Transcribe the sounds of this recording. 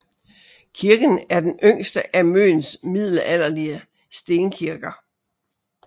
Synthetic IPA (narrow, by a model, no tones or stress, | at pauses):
kʰiɐɡ̥ən̩æɐd̥enøŋ̰sd̥əʔæmø̰ːnsmið̰ˠləæl̰ɐliə | sd̥e̝ːnkʰiɐɡ̥ɐ